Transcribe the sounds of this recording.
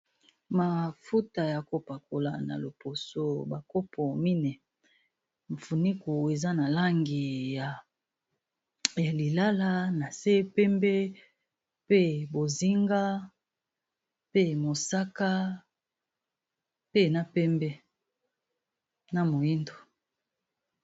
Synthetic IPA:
ma˨fu˦ta˨ja˨ko˨pa˨ko˨la̰˨na̰˨lo˨po˨so˦ba˨ko˦pʰo˨mi˦nɛ˨ | ɱ˨fu˨ni˦ku˨e˨za˦na˨la˦ŋɡi˨ja˨ | ja˨li˨la˦la˦na˨se˦pɛ˦mbɛ˦ | pe˦bo˨zi˦ŋɡa˦ | pe˦mo˨sa˦ka˦ | pe˦na˦pɛ˦mbɛ˦ | na˨mo˨ji˦ndo˨

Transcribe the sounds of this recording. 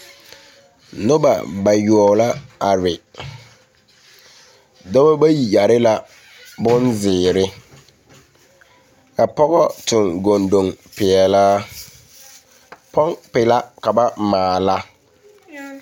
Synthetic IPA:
nʊ˦ba̰˨ba˨jɔ˨ɔ˨la˦a˨ɾɪ˨ | dɔ˦ba˦ba˦ji˨ja˨ɾɪ˦la˦ | bʊ˦nzɪː˨ɾɪ˦ | ka˨pɔ˦ɣɔ˦tʊ˨ŋɡo˨ndo˨ŋpɪ˨ɛ˨laː˦ | pɔ˦ŋpɪ˨la˦ka˨ba˦maː˨la˦

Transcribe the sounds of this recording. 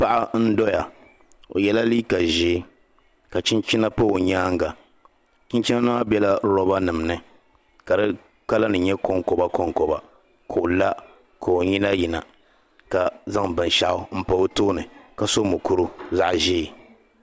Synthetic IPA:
pa˦ʔa˦n̩˦dɔ˦ja˨ | o̰˨jɛ˦la˦liː˦ka˨ʒeː˦ | ka˨t͡ʃi˦nt͡ʃi˦na˦pa˦o˨ɲaː˦ŋɡa˨ | t͡ʃɪ˦nt͡ʃi˦na˦nɨ˦a˦bɛ˦la˦ɾɔ˦ba˦nɨ˨m˨nɨ˦ | ka˨dɨ˦ | ka˦la˦nɨ˨ɲɛ˦ko˦ŋkɔ˨ba˦ko˦ŋkɔ˨ba˨ | kʰo˨la˦ | kʰo˨o˨ɲi˦na˦ji˨na̰˨ | ka˨za˦ŋbɨ˨nʃa˨ʔʊ˦m̩˦pa˨o˦toː˦nɨ˨ka˨so˦mʊ˨ku˦ɾu˦za˦ʔʒeː˦˨

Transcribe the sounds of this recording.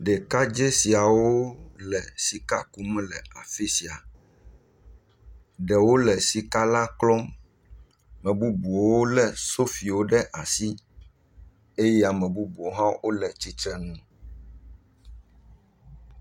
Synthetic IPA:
ɖɛ˨ka˦d͡ʒe˦si˨a˨wo˦lɛ˨si˨ka˦ku˦mɛ˦lɛ˨a̰˨fi˦si˨a˨ | ɖɛ˨wo˦lɛ˨si˨ka˦la˦klɔ˦m | mɛ̃˨bu˦bu˨o˨wo˦lɛ˨so˦fi˨wo˦ɖɛ˦ʔa˨si˦ | e˦jɛ˦a˨mɛ̃˨bu˦bu˨o˨ɦã˦wʔo˦lɛ˨t͡ɕi˦t̪ɾɛ˦nũ˦

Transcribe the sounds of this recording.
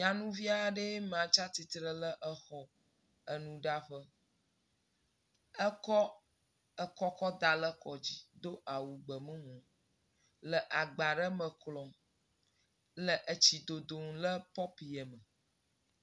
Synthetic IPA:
ɲã˨nũ˦vi˦a˨ɖə˦m˨ã˨t͡ʃa˦t̪i˨t̪ɾə˦lə˦ʔə˦xɔ˨ | ə˨nũ˨ɖa˦ɸə˦ | ə˦kɔ˦ | ə˦˨kɔ˦kɔ˦d̪a˨lə˦kɔ˨d͡ʑi˦d̪o˦ʔa˨wu˨ɡ͡bə˨mə̃˦ŋõ˨ | lə˨ʔa˨ɡ͡ba˨ɖə˦mə̃˨klɔ̃˨ | lə˨ʔə˨t͡ɕi˨d̪o˨d̪o˨ŋlə˦pɔ˦pi˨ə˨mə˨

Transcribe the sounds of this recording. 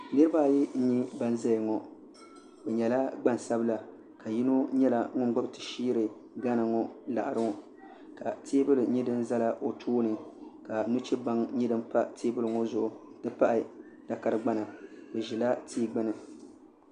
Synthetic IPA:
nɨ˦ɾɨ˦ba˦˨ji˦n̩˦ɲi˦ba˦n˦za˦jŋɔ˨ | bɛ˨ɲɛ˨la˦ɡ͡ba˦n˨sa˦bɨ˦la˨ | ka˨ji˦no˦ɲɛ˦la˨ŋʊ˦n˦ɡ͡ba˦btɨ̥˨ʃiː˦ɾɨ˨ | ɡa˦nɨ˨ŋɔ˦la̰˨ʔa˨ɾɨ˦ɔ˨ | ka˨tʰeː˦bɨ˦lɨ˨˦ɲi˦dɨ˦n˦za˦la˨ʔo˨tʰoː˦nɨ˨ka˨nu˦t͡ʃɛ˦ba˦ŋɲi˦dɨ˦m˦pa˦tʰeː˦bɨ˦lɨ˨ŋɔ˦zʊ˨ʔʊ˨dɨ˦pa˦ʔɪ˨ | d̥a˨ka˦ɾɨ˦ɡ͡ba˦na˨bɨ˨ʒi˨la˦tʰiː˦ɡ͡bɨ˦nɨ˨

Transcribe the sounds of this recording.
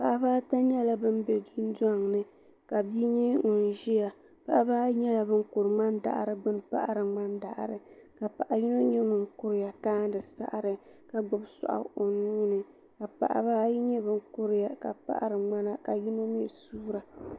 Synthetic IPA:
pa˨ʔa˨baː˦ta˦ɲɛ˦la˦bɨ˦m˦bɛ˨dʊ˦n˦da˦˨ŋnɨ˦ | ka˨bi˦ɲɛ˦ŋʊ˨n˨ʒi˦ja˨ | pa˨ʔa˦baː˦ɲɛ˦la˨bɨ˦ŋ̩kʊ˨ɾɨ˨ŋ͡ma˦nda̰˨ʔa̰˨ɾɨ˨ɡ͡bɨ˦n˨pa̰˦ʔa˦ɾɨ˨ŋ͡ma˦nda˨ʔa̰˨ɾɨ˨ka˨pa˨ʔa˨ji˦no˦ɲɛ˦ŋʊ˨ŋkʊ˦ɾɪ˨ja˨kaː˦n˦dɨ˨sa̰˦ʔɾɨ˨ | ka˦ɡ͡bʊ˨bsa̰˨ʔa̰˨o˨nuː˦nɨ˨ | ka˨pa̰˨ʔa̰˨baː˦jɲɛ˦bɨ˦ŋ˦kʊ˦ɾɪ˨ja˨ka̰˨pa̰˦ʔa̰˦˨ɾɨ˨ŋ͡ma˦na˦ka˨ji˦no˦mi˦ɛ˨suː˦ɾa˨

